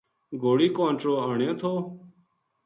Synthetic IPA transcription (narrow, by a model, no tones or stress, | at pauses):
ɡoːɽiːkõːnʈ͡ʂɾoːəɳẽːt̪ʰoː